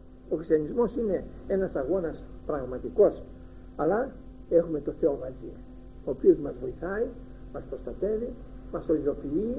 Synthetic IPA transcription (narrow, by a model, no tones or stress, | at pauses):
okisɐnizmo̞sine̞e̞nɐsɐɣo̞nɐspɾɐɣmɐt̪iko̞s | ɐlɐ | e̞xume̞t̪o̞θe̞o̞mɐzḭ | o̞ːpio̞zmɐzvo̞iθɐi | mɐspɾo̞st̪ɐt̪e̞vi | mɐsoiðo̞pii